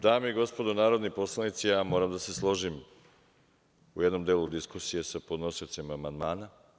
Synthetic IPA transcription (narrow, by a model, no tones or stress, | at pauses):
d̪aːmeiɡo̞spo̞d̪onaːɾo̞d̪nipo̞slˠanit̪sijaːmo̞ːɾamd̪ase̞slˠo̞ʒim | uje̞d̪no̞md̪eːlˠud̪iskusije̞sapod̪no̞siot̪simaːmand̪maːna